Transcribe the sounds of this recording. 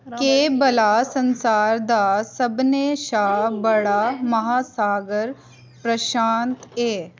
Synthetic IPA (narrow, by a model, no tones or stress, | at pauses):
keːbɐlasɐnsaːɾd̪aːsəbneːʃaːbɐɽaːmɐɦaːsaːɡəɾ | pɾɐʃaːnt̪eː